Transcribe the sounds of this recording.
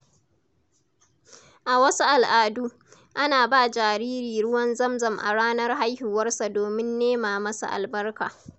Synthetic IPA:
ʔa˨wɐ˦su˦ʔa˨lʔaː˨duː˦ | ʔa˦naː˨baː˦˨d͡ʒaː˨ɾiː˦ɾiː˨ɽʊ˦wɐ˦nzɐ˦mzɐ˨mʔa̰˨ɽaː˦nɐ˦rɦa˦jhɪ˨wɐ˦rsa˨doː˨mɪ˦nːeː˦maː˨mɐ˦sa̰˨ʔa̰˨lbɐ˦rka̰ː˨

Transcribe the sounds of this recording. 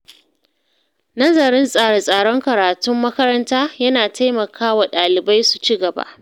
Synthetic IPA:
nɐ˦zɐ˨ɾɪ˦nsʼaː˦ɽe˨sʼaː˦˨ɽɔ˦ŋkɐ˨ɾaː˨tʊ˦mːɐ˦kɐ˦ɾɐ˦ntaː˦jɐ˦naː˨tʰa˦jmɐ˨kʰaː˦wa˨ɗaː˨lɪ˨ba˦jsu˨t͡ʃiː˦ɡɐ˨ba̰˦ʔ

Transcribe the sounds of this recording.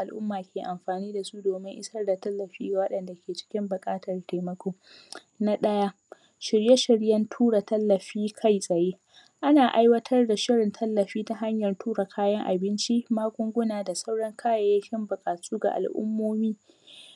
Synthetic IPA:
ʔa˨lʔʊ˦mːaː˨kʲʰeː˨ʔa˨mɸaː˨niː˦da˨su˦doː˨mɪ˦ŋʔɪ̰˦sɐ˦rda˨tɐ˦lːɐ˨ɸiː˦ɡa˨wɐ˦ɗɐ˨nda˨kʲʰeː˨t͡ʃɪ̥˦kʲɪ˦mbʊ˨kʼaː˦tɐ˨rte˨mɐ˦kʷoː˦ | na˦ɗɐ˦ja˦ | ʃɪ˨ɽje˦ʃɪ˨ɽjɐ˦ntʰuː˦ɽa˨tɐ˦lːɐ˨ɸiː˦kʰa˦jsʼɐ˨jeː˦ | ʔa˦naː˨ʔa˦jwɐ˦tʰɐ˦rda˨ʃɪ˦ɽɪ˨ntʰɐ˦lːɐ˨ɸiː˦ta˦ɦa˦ɲjɐ˨rtʰuː˦ɽa˨kʰaː˦jɐ˦ŋʔa̰˨bɪ˦nt͡ʃi˦maː˦ɡʷʊ˦ŋɡʷʊ˦naː˨da˨sa˦wɽɐ˦ŋkʰaː˦ja˨ja˦kʲɪ˦mbʊ˨kʼaː˨sʼuː˦ɡa̰˨ʔa̰˨lʔʊ̰˦mːoː˦miː˦

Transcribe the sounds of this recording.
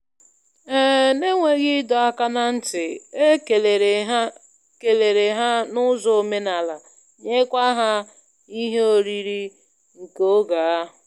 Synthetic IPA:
ɛ˦ne˦ŋʷe˨ɣɪ˦dɔ˨a˦ka˦na˦n̩˦tɪ˨e˦˨ɦ | ke˨le˨ɾe˨ɦa˦nʊ˦zɔ˨o˨me˦na˨la˨ | ɲe˦kʷa˦ɦa˦ | i˦ɦe˦o˨ɾi˦ɾi˦ | ŋ̩˨ko˦ɡa˨a˦

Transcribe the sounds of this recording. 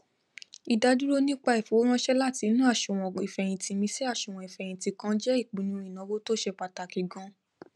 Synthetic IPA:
i˨da˧du˦ɾo˦nĩ˦k͡pa˧i˨fo˨˦ɾ̃ã˦ʃɛ˦la˦˨ti˧˦nũ˦a˦˨ʃu˨w̃ɔ̃˨i˨fɛ˨j̃ĩ˧ti˧mĩ˧si˦a˦˨ʃu˨w̃ɔ̃˨i˨fɛ˨j̃ĩ˧˨ti˧kã˧d͡ʒɛ˦i˦˨k͡pĩ˨nũ˧ĩ˨nã˨˦wo˦to˦ʃɛ˧k͡pa˨ta˨ki˨ɡɔ̃˧

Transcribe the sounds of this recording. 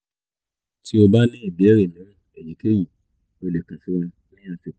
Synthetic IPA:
tʰi˦o˧ba˦nĩ˦i˦˨bɛ˦ɾe˨nĩː˨˦e˨ji˨˦ke˦ji˦˨ | o˧le˨kũ˨fu˦ũ˧ | nĩ˦j̃ã˧fi˧

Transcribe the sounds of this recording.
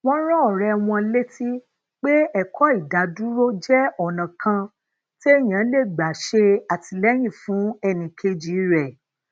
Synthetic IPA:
w̃ɔ̃˧˦ɾɔ˦ɔ˦˨ɾɛ˧w̃ɔ̃˧le˦ti˦ | k͡pe˦ɛ˦˨kʰɔ˦i˦˨da˨˦du˦ɾo˦d͡ʒɛ˦ɔ˨nã˨kʰã˧ | ti˦e˦j̃ã˨˦le˦˨ɡ͡ba˨ʃe˧a˨ti˧lɛ˦j̃ĩ˦˨fũ˨˦ɛ˧nĩ˨kʰe˧d͡ʒi˨˦ɾɛ˨

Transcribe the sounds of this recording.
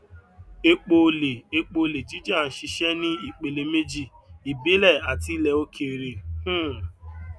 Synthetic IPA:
e˦k͡po˧˦le˨e˧k͡po˧˨le˨d͡ʒi˦d͡ʒa˦˨n̩˨ʃi˧ʃɛ˦nĩ˦i˦˨k͡pe˨le˨me˦d͡ʒi˦˨ | i˨be˦lɛ˦˨a˨ti˦lɛ˧o˦kʰe˦˨ɾe˨hũ˦˨

